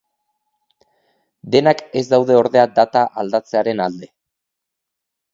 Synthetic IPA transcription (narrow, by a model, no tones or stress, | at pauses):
d̪e̞nake̞zd̪awðe̞o̞ɾðe̞ad̪at̪aʔald̪at͡se̞aɾe̞nald̪e̞